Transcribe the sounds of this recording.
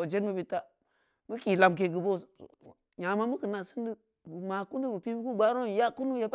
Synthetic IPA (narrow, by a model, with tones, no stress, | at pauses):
o˨d͡ʒe˦nmu˦bi˦ta˦ | mə˦ki˨la˨mk̬e˨ɡu˨bo̰˦˨ | ɲa˨ma˦mu˦kə˨na˨sɨ˦ndi˦ | bu˨ma˨ku˦n˦di˦bu˨pi˦bi˦ku˦ɡ͡ba˦ɾo˦˨ja˦ku˦nu˦ja˦b